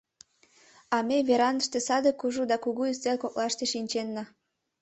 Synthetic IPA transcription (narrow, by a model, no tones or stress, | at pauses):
ɑmeβeɾɑnəʃt̪ĕsɑd̪ekuʒud̪ɑkuɣuyst̪elkok̚lɑʃt̪eʃinʲt͡ɕenːɑ